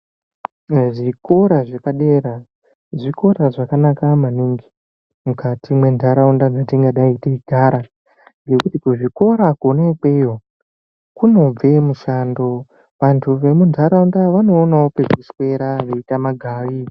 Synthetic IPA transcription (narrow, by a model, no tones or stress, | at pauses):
ʐiko̞ɾaʐekaɗe̞ɾa | ʐiko̞ɾaʐakanakamaniŋɡi̥ | mukatimwe̞ndʱaɾaundad͡zatiŋɡaɗaiteiɡʱaɾa | ŋɡe̞kutikuʐiko̞ɾakonekejo | kuno̞b͡ve̞muʃaːndo̞ | ʋantʰuʋe̞mundʱaɾaundaʋano̞ːnaopekiswe̞ɾaʋeitamaɡʱaːʋi